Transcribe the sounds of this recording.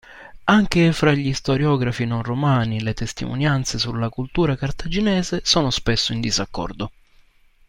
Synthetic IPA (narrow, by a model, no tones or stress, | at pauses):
aŋk̟efɾaʎːist̪oɾjɔːɡɾafinonromaːnilet̪est̪ḭmo̰njant̪sesulːakult̪uːɾakart̪ad͡ʒinɛːzesoːnospesːoind̪izakːɔ̰rd̪o